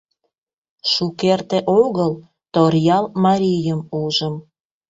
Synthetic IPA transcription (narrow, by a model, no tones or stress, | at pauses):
ʃukert̪eʔoɣəl | t̪orjɑlmɑɾʲijəmuʒəm